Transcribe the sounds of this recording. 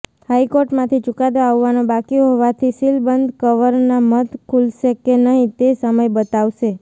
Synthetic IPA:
haikoɾʈmãt̪ʰit͡ʃukad̪oaʋːanõbakiõɦoʋat̪ʰisilbənd̪ʱkəʋəɾnamət̪kʰulʃekenəɦĩt̪esəməjbət̪aʋʃe

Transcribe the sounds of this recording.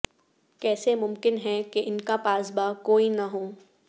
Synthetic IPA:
kɛːsemʊmkɪnɦɛkeʔɪnkapaːzbakoːinɐɦoː

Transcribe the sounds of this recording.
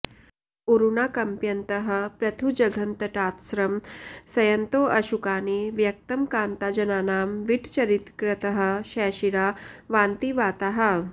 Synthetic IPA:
uɾunaːkɐmpjɐnt̪ɐɦɐ̆pɾɐt̪ʰud͡ʒɐɡʱɐnt̪ɐʈaːt̪sɾɐmsɐjɐnt̪oːʔɐʃukaːniʋjɐk̚t̪ɐmkaːnt̪aːd͡ʒɐnaːnaːmʋiʈt͡ʃɐɾit̪kɾɐt̪ɐɦə̆ʃɛːʃiɾaːʋaːnt̪iʋaːt̪aɦɐ̆

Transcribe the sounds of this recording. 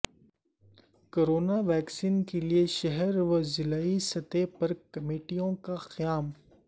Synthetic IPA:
koːɾoːnaʋɛːksiːnkelieʃɐɦɛɾʋɐzɪlaːisɐt̪epɐɾkɐmeːʈijõkaxɐjaːm

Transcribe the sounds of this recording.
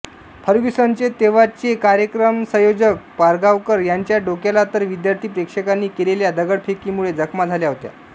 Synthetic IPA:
pʰəɾɡisənt͡set̪eʋat͡sekaɾjəkɾəmsə̃jod͡ʑək̚paɾɡaʋkəɾjaɲt͡ɕjaɖokjalat̪əɾʋid̪jaɾt̪ʰiːpɾekʂəkanːiːkeleljad̪əɡəɽpʰekiːmuɭed͡zəkʰmad͡zʱaljaɦot̪ja̰

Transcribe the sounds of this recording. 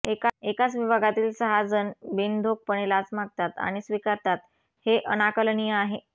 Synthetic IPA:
ekaekat͡sʋibʱaɡat̪iːlsəɦad͡zənbend̪ʱok̚pəɳ̃elat͡smaɡ̚t̪at̪a̰ɽ̃isʋikaɾt̪at̪ | heʔənakəlɳijəaɦe

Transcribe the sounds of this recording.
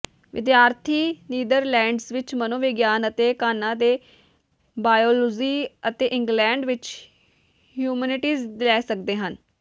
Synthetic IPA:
ʋɪd̪jaːɾt̪ʰiːniːd̪əɾlɛ̃ːɳɖsʋɪt͡ʃmənõːʋɪɡjaːnət̪eːkaːnãːd̪eː | baːjoːloziːət̪eːʔɪ̃ŋɡlɛ̃ːɳɖʋɪt͡ʃ | hjuːmɛːnɪʈiːzlɛːsək̚d̪eːɦən

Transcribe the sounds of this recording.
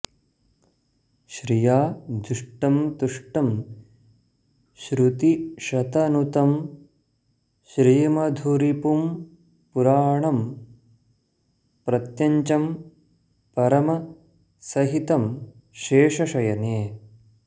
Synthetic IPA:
ʃɾijaːd̪uʂʈɐmt̪uʂʈɐm | ʃɾut̪iʃɐt̪ɐnut̪ɐm | ʃɾijɐmɐd̪ʱuɾipum | puɾaːɳɐm | pɾɐt̪jɐɲt͡ʃɐm | pɐɾɐmɐ | sɐɦit̪ɐm | ʃeːʂɐʃɐjɐneː

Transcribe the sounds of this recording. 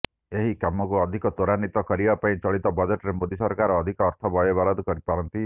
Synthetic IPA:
eɦikamɔkuɔd̪ʱikɔt̪oɾanit̪ɔkɔɾibapaĩt͡ʃɔɭit̪ɔbɔd͡ʒeʈɔɾemod̪isɔɾkaɾɔːd̪ʱikɔːɾt̪ʰɔbɔjɔbalɔd̪ɔkɔɾipaɾɔnt̪i

